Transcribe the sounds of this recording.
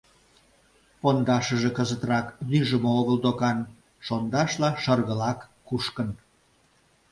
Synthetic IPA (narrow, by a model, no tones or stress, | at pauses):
pond̪ɑʃəʒekəzət̪rɑknyʒəmooɣəld̪okɑn | ʃond̪ɑʃlɑʃərɣəlɑkːuʃkən